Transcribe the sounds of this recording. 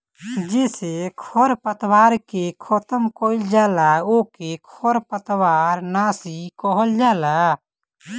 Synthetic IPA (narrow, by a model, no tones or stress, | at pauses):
d͡ʒesekʰɔɾpət̪waːɾkekʰɔt̪əmkoild͡ʒaːlaokekʰɔɾpət̪waːɾnasikɔɦəld͡ʒala